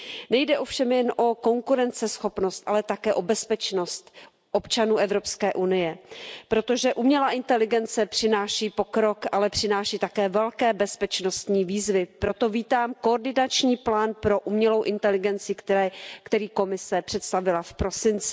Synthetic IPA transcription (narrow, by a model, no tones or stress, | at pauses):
nɛjdɛʔo̞fʃɛmjɛnʔoko̞ŋkuɾɛnt͡sɛsxo̞pno̞st̪ʔalɛt̪akɛːʔo̞bɛspɛt͡ʃno̞st̪ | ʔo̞pt͡ʃanuːʔɛvɾo̞pskɛːʔunɪjɛpɾo̞t̪o̞ʒɛʔumɲɛlaʔɪnt̪ɛlɪɡɛnt͡sɛpr̝̥ɪnaːʃiːpo̞kɾo̞kʔalɛpr̝̥ɪnaːʃiːt̪akɛːvɛlkɛːbɛspɛt͡ʃno̞st̪ɲiːviːzvɪpɾo̞t̪o̞viːt̪aːmkooɾdɪnat͡ʃɲiːplaːnpɾo̞ʔumɲɛlo̞wʔɪnt̪ɛlɪɡɛnt͡sɪk̪kt̪ɛɾiːko̞mɪsɛpr̥ɛt̪st̪avɪlafpɾo̞sɪnt͡sɪ̥